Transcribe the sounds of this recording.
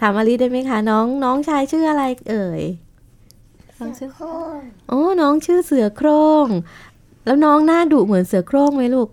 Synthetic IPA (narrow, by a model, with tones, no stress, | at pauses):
t̪ʰaː˩˦mʔa˧li˦˥daː˥˩jma˦˥jkʰa˦˥˩nɔː˦˥ŋnɔː˦˥ŋt͡ɕʰaː˧jt͡ɕʰɯː˥˩ʔa˧ɾa˧jʔɤː˨˧˩j | ʔoː˧˥˩nɔː˦˥ŋt͡ɕʰɯː˥˩sɯ˨˩˦ɐkʰɾoː˥˩ŋ | lɛː˦˥wnɔː˦˥ŋnaː˥˩duː˨˩mɯ˩˦nsɯ˨˩˦ɐkʰɾoː˥˩ŋma˦˥jluː˥˩k̚